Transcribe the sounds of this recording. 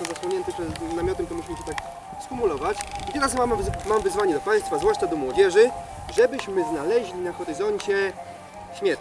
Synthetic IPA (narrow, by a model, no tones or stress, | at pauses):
zaswɔɲɛnt̪ɘpʂɛnamʲjɔt̪ɛmt̪ɔmuɕimɘɕɛt̪ak | skumulɔvat͡ɕit̪ɛɾasmammamvɘzvaɲɛd̪ɔpaj̃st̪fazvwaʂt͡ʂad̪ɔmwɔd͡ʑɛʐɘ | ʐɛbɘɕmɘznalɛʑlʲinaxɔɾɘzɔɲt͡ɕɛ | ɕmʲjɛ